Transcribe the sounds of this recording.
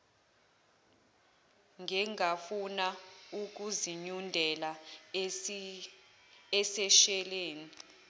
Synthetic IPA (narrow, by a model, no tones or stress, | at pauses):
ŋʱɛŋafunauk̬uziɲundʱɛla | ɛsɛʃɛleːni